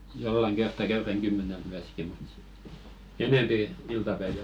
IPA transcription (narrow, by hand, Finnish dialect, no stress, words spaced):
jolːɑŋ ɡ̊ertːɑ kæyræŋ ɡ̊ymːænelt myæski mut sit eneˑmpi iltɑpæiʋæl